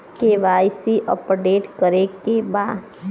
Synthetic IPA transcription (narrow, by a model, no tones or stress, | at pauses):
keʋaːjsiʔɔ̰pɖeːʈkəɾekebaːd̪